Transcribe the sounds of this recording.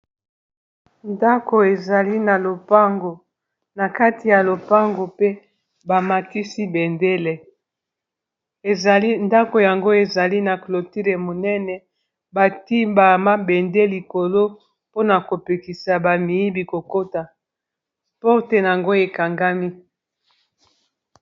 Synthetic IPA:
nda˦ko˨e˨za˨li˦na˨lo˨pa˦ŋɡo˨ | na˨ka˦ti˨ja˨lo˨pa˦ŋɡo˨pe˦ | ba˨ma˨ti˦si˦be˨nde˦le˨ | e˨za˨li˦nda˦ko˨ja˨ŋɡo˦e˨za˨li˦na˨klo˨ti˦le˨mo˨nɛ˦nɛ˨ | ba˨ti˦mba˨ma˦be˨nde˦li˨ko˨lo˦ | po˦na˨ko˨pe˨ki˨sa˨ba˨mi˨i˦bi˨ko˨ko˦ta˨ | po˦te˦na˨a˨ŋɡo˦e˨ka˨ŋɡa˦mi˦

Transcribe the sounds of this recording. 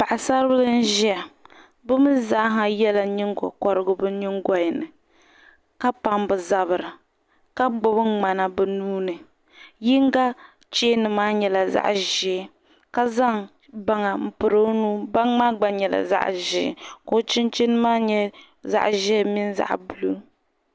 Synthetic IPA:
pa˨ʔa˨sa˦ɾɨ˦bɨ˦lɨ˦n̩˦ʒi˦a˨ | bɨ˦mɨ˦za˦ɦa˦jɛ˦la˨ɲi˦ŋ˦ɡɔ̰˨kɔ˦ɾɨ˦ɡʊ˦bɨ˦ɲi˦ŋɡɔ˨jnɨ˨ | ka˦pa˦mbɨ˨za˦βɨ˨ɾɨ˨ | ka˦ɡ͡bʊ˦bɨ˦ŋ͡ma˨na˨bɨ˦˨nuː˦nɨ˨ | ji˦ŋ˦ɡa˦ | t͡ʃeː˦nɨ˨maː˦ɲɛ˨la˨za̰˦ʔʒɛ˨ | ka˦za˦ŋ | ba˦ŋa˨m̩˨pɨ˨ɾo˦nuː˦ba˦ŋma˦ɡ͡ba˦ɲɛ˨la̰˨za̰˦ʔʒḭ˨ko˨˦t͡ʃɪ˦nt͡ʃi˦nɨ˦maː˦ɲɛ˦ | za̰˦ʔʒɛ˦mi˦nza̰˨ʔbu˨lu˦

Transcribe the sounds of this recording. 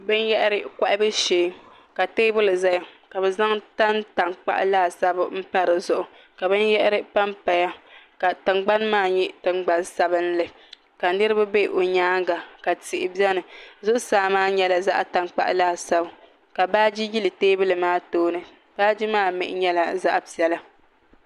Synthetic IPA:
bɨ˦njɛ˦ʔɾɪ˦ka˦ʔɪ˦bɨ˦ʃeː˨˦m | ka˨teː˦bʊ˦lɨ˨za˦ja˨ka˨bɛ˨za˦ŋta˦nta˨ŋk͡pa̰˦ʔlaː˦˨sa˦bm̩˦pa˦ɾɨ˨zʊ˦ʔʊ˨ | ka˨bɨ˦njɛ˦ʔɛ˦ɾɪ˦pa˦mpa˨ja˦ka˨tɨ˨ŋ͡mɡ͡ba˦nmaː˦˨ɲɛ˦tɨ˨ŋ͡mɡ͡ba˦nsa˦bɨ˦n˦lɨ˨ | ka˨nɨ˦ɾɨ˦ba˦be˦ʔo˨ɲaː˦ŋɡa˨ka˨tɪ˨ʔɪ˨bi˦ɛ˦nɨ˨zʊ˦ʔʊ˦saː˨˦maː˦ɲɛ˦la˨za˦ʔa˨ta˨ŋk͡pa̰˦˨ʔlaː˦sa˦bʊ˨ | ka˨baː˦d͡ʒi˦ji˦lɨ˨teː˦bɨ˦lɨ˨maː˦toː˦nɨ˨ | b̥aː˦d͡ʒi˦maː˦˨mɪ̰˨ʔɪ˦ɲɛ˦la˨za̰˦ʔpi˨ɛ˦la˦

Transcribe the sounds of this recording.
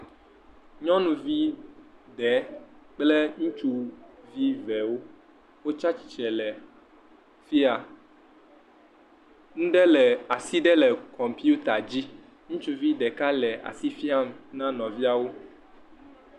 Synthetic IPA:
ɲɔ̃˦nũ˨vi˦ɖɛ˨˦k͡ple˦ŋũ˦t͡ʃu˦vi˦vɛ˨wo˦ | wo˦t͡ʃa˦t͡ɕi̥˨t͡ʃɛ˨lɛ˨ | fi˦a˨ | ŋũ˦ɖɛ˦lɛ˨a˨si˦ɖɛ˦lɛ˨kɔ̃˨mpi˦u˦t̪a˨d͡ʑi˦ | ŋũ˦t͡ʃu˨vi˦ɖɛ˨ka˦lɛ˨a̰˨si˦fi˦a˨m˨nã˦nɔ̃˨vi˦a˨wo˦

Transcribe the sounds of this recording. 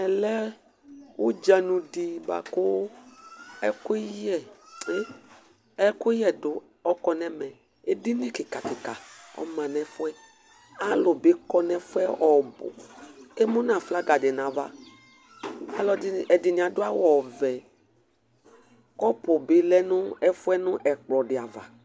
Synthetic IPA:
ɛ˨lɛ˦ | wʊ˦d͡ʒa˨nũ˨di˨ba̰˨kʊ˦ | ɛ˦kʊ˦jɛ˨e˦ | ɛ˦kʊ˦jɛ˨dʊ˨ | ɔ˦kɔ˨nɛ˦mɛ̃˨ | e˦dɪ˦nĩ˦kɪ˨ka˨kɪ˨ka˨ɔ̰˨˦mã˨nɛ˨fʊ˦ɛ˦ | a˨lʊ˨bɪ˦kɔ˦nɛ˨fʊ˦ɛ˦ɔ˨bʊ̰˨e˦mʊ̃˦nã˨fla˦ɡa˨dɪ˨nã˨va̰˨ | a˨lɔ˨˦ɛ˨dɪ˨nɪ̃˨a˨dʊ˦a˦wɔ˨vɛ˨ | kɔ˦pʊ˨bɪ˨lɛ˦nʊ̃˦ɛ˦fʊ˦ɛ˦nʊ̃˦ʔɛ˨k͡plɔ˨dɪ˨a˨va̰˨

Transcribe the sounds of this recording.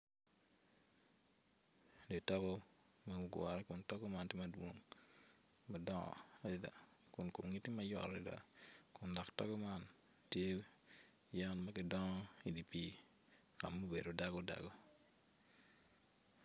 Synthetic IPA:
de˨tɔ˦ɡɔ˦ | mɐɡʊ˨ɡwɔ̰˨ɾɛ˦kʊ˨ntɔ˦ɡɔ˦ma˦ntje˦mɐ˨dwo˦ŋ | mɐ˨dɔ˦ŋɔ̰˨ada˨ | kʊ˨nko˨mŋi˦ti˦mɐ˦jɔ̰˨ɾi˦da̰˨kʊ˨ndɔ˨ktɔ̰˦ɡɔ˦ma˦n | tje˦ | ja˦nmɐ˦kɪ˨dɔ˦ŋɔ˦i˨di˨pi˦ | ka˨mːo˦be˨do˨da˦ɡɔ˦da̰˨ɡɔ˦

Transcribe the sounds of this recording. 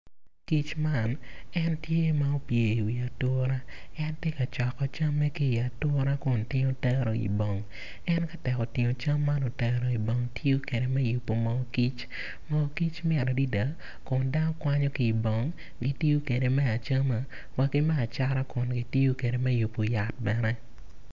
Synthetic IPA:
ki˦t͡ʃma˦˨nɛ˦ntje˦ma˦o˦pje˨wi˨a˨to˦ɾa˦ɛ˦nte˦ka˨t͡ʃɔ˨kɔ˨t͡ʃa˦mːɛ˦ki˦i˨a˨tɔ˦ɾa˦kʊ˨ntɪ˦ɲo˦tɛ˦ɾɔ˨ḭ˨bɔ˨ŋ | ɛ˦nka˦tɛ˨kɔ˨tɪ˨ɲo˨t͡ʃa˦mːa˦no˨tɛ˦ɾɔ˨i˨bɔ˨ŋtʰjo˦ke˨ɾe˨mɛ˦ju˨pːo˨mɔ˨˦ki˦t͡ʃ | mɔ˨˦ki˦t͡ʃmɪ˦ɛ˨ɾɔ˨di˦da˨˦ | kʊ˨nda˦nɔ˦kwa˦ɲɔ˦ki˨bɔ˨ŋ | ɡi˦ti˦jo˦ke˨de˨mɛ˦a˨t͡ʃa˦ma˨ | wa˦kɪ˦mɛ˦a˨t͡ʃa˦ɾa˦kʊ˨nɡi˦ti˦o˦ke˨ɾe˨mɛ˦ju˨pːo˨ja˨t̚bɛ˦nɛ˦

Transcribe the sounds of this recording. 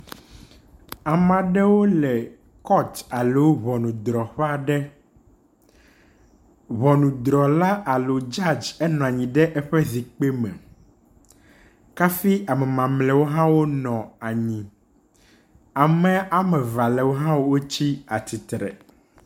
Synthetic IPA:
a˨mã˨ɖɛ˦wo˦lɛ˨ | kɔ˦t̪a˨le˦wo˦βɔ˨nũ˨d̪ɾɔ˨ɸɛ˦a˦ɖɛ˦ | βɔ˨nũ˨d̪ɾɔ˨la˦ʔa˨lo˨d͡ʒa˦˨d͡ʒɛ˦nɔ̃˨a˨ɲĩ˨ɖɛ˦ʔɛ˦ɸɛ˦zi˨k͡pe˦mɛ̰˨ | ka˦fi˦a˨mɛ˨mã˨mlɛ˨wo˦ɦã˦wo˦nɔ̃˨a˨ɲĩ˨ | a˨mɛ̃˨a˨mɛ̃˨va˨lɛ˨wo˦ɦã˦wo˦wo˦t͡ɕi˦a˨t̪i˨t̪ɾɛ̰˨

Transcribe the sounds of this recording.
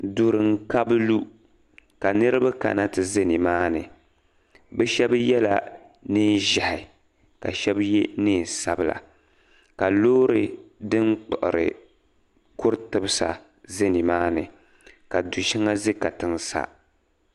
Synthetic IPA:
du˨ɾɨ˨ŋ̩˦ka˦bɨ˦lu˦ | ka˨nɨ˦ɾɨ˦ba˦ka̰˨na˦tɨ˨ze˦ni˨maː˦nɨ˨ | bɛ˦ʃɛ˦bjɛ˦la̰˨ | nɨ˦n˦ʒa˨hɪ˨ | ka˨ʃɛ˦bjɛ˦nɨː˦˨n˨sa˦bɨ˨la̰˨ | ka˨loː˦ɾɨ˨dɨ˦nk͡pɔ˨ʔʊ̰˨ɾɨ̰˨ | kʊ˦ɾtɨ˦bɨ˦sa̰˨ | ze˦ni˨maː˦nɨ˨ | ka˨du˨ʃi˦ŋa˦ze˦ka˨tɨ˨ŋsa̰˦

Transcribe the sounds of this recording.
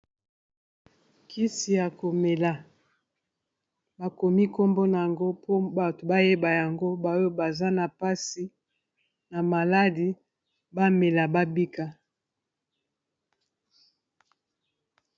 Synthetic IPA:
kʰi˦si˨ja˨ko˨me˨la˨ | ba˨ko˨mi˦ko˦mbo˦na˨ja˨ŋɡo˦po˦ba˨to˨ba˦je˦ba˨ja˨ŋɡo˦ba˨˦o˦ba˨za˦na˨pa˦si˨ | na˨ma˨la˦di˨ | ba˦me˨la˨ba˦bi˦ka˦

